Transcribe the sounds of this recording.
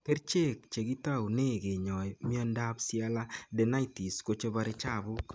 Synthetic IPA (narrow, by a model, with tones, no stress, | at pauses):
ke˦ɾt͡ʃe˦˨k̚t͡ʃe˨ki˦ta˦˨u˨ne˦˨ke˨ɲɔ˨mi˦ɔ˦nda˦psia˦la˦dɛ˨na˦iti˨sko˦t͡ʃe˦ba˦ɾɪ˦t͡ʃa˦˨bʊ˦k